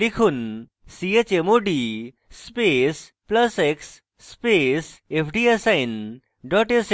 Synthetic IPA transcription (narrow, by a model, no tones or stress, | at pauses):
likʰun | siet͡ɕemoːɖi | speːs | plɐseksː | pesepʰɖiesɐjn | ɖɔʈes